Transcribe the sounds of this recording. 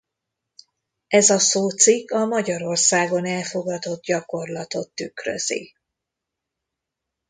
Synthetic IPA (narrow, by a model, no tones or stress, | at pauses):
ɛzɒsoːt̪sikːɒmɒɟɒɾo̞rsaːɡo̞nɛlfo̞ɡɒd̪o̞d̪̚ɟɒko̞rlɒt̪o̞t̪ːykrø̰zḭ